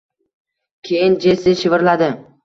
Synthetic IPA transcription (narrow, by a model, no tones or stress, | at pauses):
kʲʰejɪnd͡ʒesɪʃɪvɪɾlad̪ɪ